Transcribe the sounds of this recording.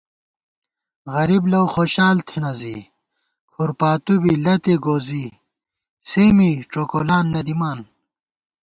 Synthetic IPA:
ɣɐɾiblɐwxoːɕaːlt̪ʰinɐzḭ | kʰuɾpaːt̪ubilɐt̪eɡoːzi | seːmiʈ͡ʂoːkoːlaːnːɐd̪imaːn

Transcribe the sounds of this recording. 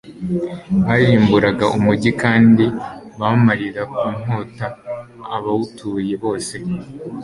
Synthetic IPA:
βajiːmbuɾaɡaʔumuɟikaːndiβamaɾiɾakuːn̥hoːtaː | βawutʰuje̞βo̞ːse̞

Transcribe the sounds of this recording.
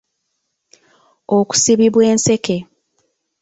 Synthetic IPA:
oku̥siβiβwe̞ːnse̞ke̞

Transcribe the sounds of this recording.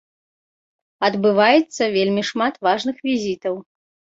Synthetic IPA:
ɐd̪bɨvajɛt̪sːɐvʲelʲmʲiʂmat̪vaʐnɨxvʲizʲit̪ɐw

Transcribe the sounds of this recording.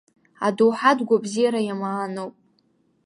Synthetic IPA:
a̰dowħadɡʷabzijaɾajamaːnowpʼ

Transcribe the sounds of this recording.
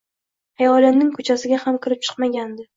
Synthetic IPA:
ajɒlɪmnɪŋkʰʊt͡ʃʰasɪɡʲahamkʲʰɪɾɪp̚t͡ʃʰɨ̥qmaɡʲand̪ɪ

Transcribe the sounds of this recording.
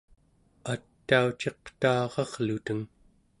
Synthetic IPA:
at̪ːaut͡ʃe̞q̚t̪aːʁɑʁlut̪əŋ

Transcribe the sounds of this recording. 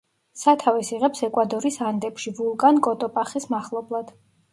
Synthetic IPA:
sat̪ʰavɛsiʁɛpsɛkʼwad̪ɔɾisand̪ɛpʃivulˠkʼankʼɔt̪ʼɔpʼaχismaχlˠɔblˠad̪̥

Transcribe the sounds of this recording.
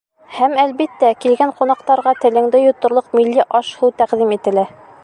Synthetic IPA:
hæmælβit̪ːækilɡæɴqunɑqt̪ɑɾʁɑt̪ɘ̆lɘ̆ŋd̪ɘjŏt̪ːŏɾlˠoqmilːiʔɒʃhuwt̪æqd̪imit̪ɘ̆læ

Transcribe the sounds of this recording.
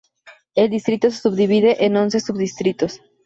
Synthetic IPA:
eld̪ist̪ɾit̪os̬esubd̪iβiðeʔenonsesubðist̪ɾit̪os

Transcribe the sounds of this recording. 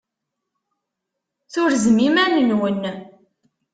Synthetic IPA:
θʊɾzmimænənwənː

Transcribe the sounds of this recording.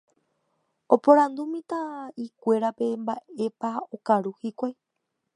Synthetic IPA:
o̞põɾãnd̪umĩt̪ãikʷe̞ɾape̞mbaʔe̞paokaɾuhikʷaj

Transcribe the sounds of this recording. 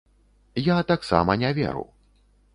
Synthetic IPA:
jat̪aksa̰mɐnʲavʲɛ̰ɾṵw

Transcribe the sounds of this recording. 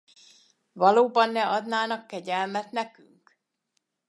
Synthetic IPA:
vɒloːbɒnːɛɒd̪naːnɒkːɛɟɛlmɛt̪nɛky̰ŋk

